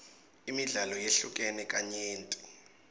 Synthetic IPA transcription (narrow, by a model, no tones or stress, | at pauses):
imiɮalɔjeɬuk̬ʼɛnɛkʼaɲeːntʼu